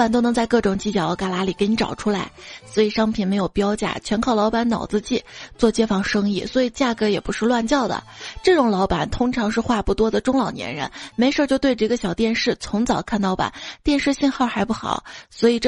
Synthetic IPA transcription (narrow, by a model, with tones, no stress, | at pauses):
a˨˩nt̪o˥ʊnɤ˧˥ŋt͡sa˥˧ɪkɤ˥˩ʈ͡ʂʊ˨˩ŋt͡ɕi˧˥t͡ɕjɑ˨˩˥ʊka˧˥˩la˧˥li˨˩kɪni˧˥ʈ͡ʂɑ̰˨˩ʊʈ͡ʂʰu˥la˧˥ɪswɔ˧˥i˨˩ʂɑ˥ŋpʰi˨˩nme˧˥ɪjo˨˩ʊpjɑ˥ʊt͡ɕja̰˥˩t͡ɕʰɥɛ˧˥nkʰɑ˥˩ʊlɑ˧˥ʊpa˧˥nnɑ̰˨˩ʊt͡sɹ̩˥˧t͡ɕi˥˩t͡swɔ˥˩t͡ɕjɛ˥fɑ˥˩ŋʂɤ˥ŋḭ˥˩swɔ˧˥i˨˩t͡ɕja˥˩kɤ˧˥jɛ˨˩pu˧˥ʂɻ̩˥˧lwa˥˧nt͡ɕjɑ˥˩ʊd̪ə̰˩ʈ͡ʂɤ˥˩ʈ͡ʂʊ˨˩ŋlɑ˧˥ʊpa˨˩˦nt̪ʰʊ˥ŋʈ͡ʂʰɑ˧˥ŋʂɻ̩˥˧xwa˥˧pu˥˩t̪wɔ˥d̪ə˨ʈ͡ʂʊ˥ŋlɑ˨˩ʊnjɛ̰˧˥nɻə̰˧˥nme˧˥ɪʂt͡ɕjo˥˧ʊt̪we˥˧ɪʈ͡ʂɤ˥˧˥ɡə˧˩ɕjɑ˨˩ʊt̪jɛ˥˧nʂɻ̩˥˩t͡sʰʊ˧˥ŋt͡sɑ˨˩ʊkʰa˥˩nlɑ˧˥ʊpa̰˨˩˦nt̪jɛ˥˧nʂɻ̩˥˧ɕi˥˧nxɑ˥˩ʊxa˧˥ɪpu˥˩xɑ̰˨˩˦ʊswɔ˧˥i˨˩ʈ͡ʂ